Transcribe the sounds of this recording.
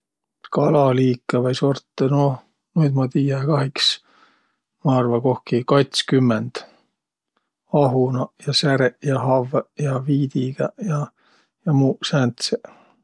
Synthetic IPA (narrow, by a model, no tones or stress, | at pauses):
kɑlɑliːkːˑɑvɑjsort̪ːeno | nujd̪mɑt̪iːjɑkɑɦiks | mɑɑrvɑko̞hkikɑjt̪skymːend̪̥ | ɑɦunɑjɑsæɾeʔjɑɦɑvjɑviːd̪̥iɡ̥ɑjɑ | jɑmuːsænt̪se